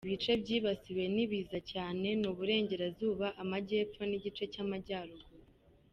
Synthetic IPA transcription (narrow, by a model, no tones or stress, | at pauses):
iβit͡ʃe̞bɟiːβasiwe̞niβiːzacaːne̞nuβuɾe̞ːɲɟe̞ɾazuːβaʔamaɟe̞ːfo̞niɟit͡ʃe̞camaɟaːɾoɡo